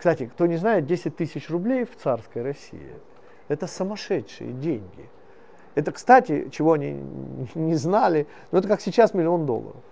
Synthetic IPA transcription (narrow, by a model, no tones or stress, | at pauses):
kst̪atʲɪkt̪o̞nʲɪznajɪt̪̚dʲesʲɪt̚ʲt̪ɨsʲɪt͡ɕrʊblʲejft̪sarskəjɾɐsʲḭjɪ̰ | ɛt̪əsəmɐʂɛtʂɨ̰jə̰dʲenʲɡʲɪ | ɛt̪əkst̪atʲɪ̰t͡ɕɪvo̞ɐnʲḭnʲɪznalʲɪ | noɛt̪əkaksʲɪt͡ɕːasmʲɪlʲɪo̞nd̪o̞̰lˠːə̰ɾə̰f